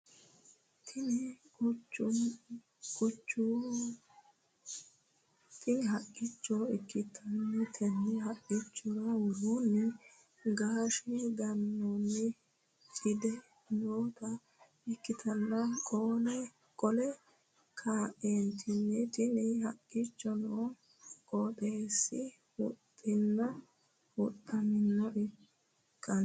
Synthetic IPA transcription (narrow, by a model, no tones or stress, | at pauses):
t̪ʰɪnɪ | ʊt͡ʃːʊ | kʼʊt͡ʃːu | t̪ɪnɪɦɐʔʼːɪt͡ʃːɔɛkːɪt̪ʰɐnːɛt̪ʰɛnːɪɦɐʔːɪt͡ʃːɔɾɐwʊɾunːɛ | ɡaːʃɪɡ̪ɐnːɔnːɛ | t͡ʃʼɪd̪ɛ | noːt̪ɐ | ɪkːɪt̪ʰɐnːɐkʼoːlɛ | kʼɔlɛ | kʰaːʔeːnt̪ʰɪnːɛt̪ʼɪnɪhɐkʼːɪt͡ʃːɔnoː | kʼoːt̪ʼeːsːɪ | wʊ̰t̪ʼːɪnːɐ | wʊt̪ʼːɐmɪnːɔʔɪ | kʼːɐn